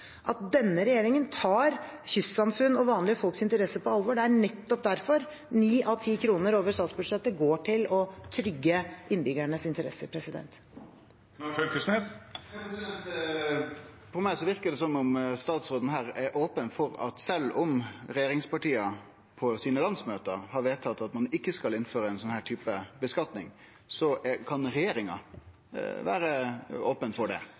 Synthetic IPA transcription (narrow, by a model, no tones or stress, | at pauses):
ʔɑt̪̚d̪ɛnːəɾɛjeːɾɪŋənt̪ʰɑːɾçʏssɑmfʉnːɔʋɑːnlɪəfɔlksɪnt̪əɾɛsːəpʰɔɑlʋɔɖɛæɳɛt̪ːɔp̚d̪æɾfɔɾ | niːʔɑʋt̪ʰiːkʰɾuːnəɾoːʋəʂt̪ɑːt̪sbʉʂɛt̪ːəɡoːʈʰɪlɔt̪ʰɾʏɡːəʔɪnbʏɡæɳəsɪnt̪əɾɛ̰sːəɾpʰɾɛsɪd̪ɛ̰nt̪ | ølkʰʉsnes | ɛt̪ | fɔɾmæɪsɔʋɪɾkəɖ̪ɛsɔmːʊmst̪ɑːt̪sɾoːd̪ən̩ɦæːɾɛɾʔoːpənfɔɾɑ̰t̪sɛlːʊmɾɛjeːɾɪŋspɑʈiːɑ | pʰɔsiːnəlɑnsmøːt̪əhɑɾʋeːt̪ʰɑt̪ːɑt̪mɑnɪkːəskɑlɪnføːɾəæɪnsɔnhæːʈ̪ʰyːpəbəskɑt̪nɪŋ | sɔʔɛkʰɑnɾɛjeːɾɪŋɑ̰ | ʋæ̰ːɾəoːpənfɔɖɛ̰